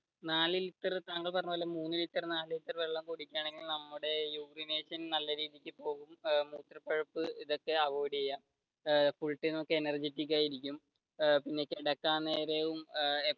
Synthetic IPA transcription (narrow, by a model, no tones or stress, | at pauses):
naːlilit̪ːɐrt̪aːŋːɐɭpɐrɐɲːupoːlɐmuːnːilit̪ːɐrnaːlilit̪ːɐrʋe̞ɭːɐmkuɽikʲːaːɳe̞ŋɡilnɐmːuɽe̞juːkrineːɕɐnnɐlːɐɾiːðijikʲːɨpo̞ːɣummuːt̪rɐpːɐɻɐpːɨiðo̞kːe̞ɐʋoːɽijɐjːaːm | fuɭʈːinmokːeenɐrd͡ʑetːik̬ʲːaːjiɾikʲːum | pinːe̞kːeɽɐkːaːnːeːɾeʋume